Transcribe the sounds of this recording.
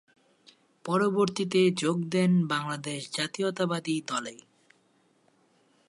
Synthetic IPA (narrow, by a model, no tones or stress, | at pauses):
pɔɾoboɾt̪it̪ed͡ʑoɡd̪ɛnbaŋlad̪eʃd͡ʑat̪iot̪abad̪id̪ɔle